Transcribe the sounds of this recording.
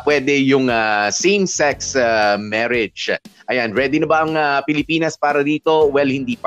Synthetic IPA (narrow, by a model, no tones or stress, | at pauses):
pwɛd̪ɛjʊŋasimsɛksamɛɾɛd͡ʒʔɐjanpwɛd̪ɪnɐbɐʔɐŋapɪlɪpiːnɐspaːɾɐd̪iːt̪o̞wɛlhɪnd̪iːpɐ